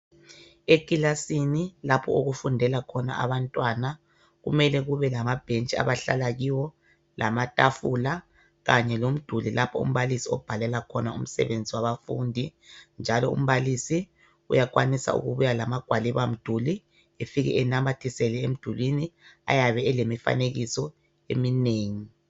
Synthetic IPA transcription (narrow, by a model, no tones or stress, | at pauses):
ekʼilasinilapʰɔoɣufundʱɛlakʰɔna̰ʔa̰βantʼwana | ɣṵmɛlɛɣuβɛlamab̥ʱent͡ʃʼia̰βaɬa̰laɣiwɔ | lʔamatʼafula | ɣaɲɛlom̩d̥ʱulilʔapʰɔṵm̩βalisiɔ̰b̥ʱalɛlakʰɔnaṵm̩sɛ̰βend͡zʱiwaβafṵːndʱind͡ʒʱalɔṵm̩βalisi | ṵjak̬ʼwanisa̰ṵɣṵβujalamaɡ̥ʱwaliβam̩d̥ʱuli | efiɣɛ̰ɛnamatʰisɛlɛem̩d̥ʱulwinia̰jaβɛːlemifa̰neɣisɔ | emineːŋi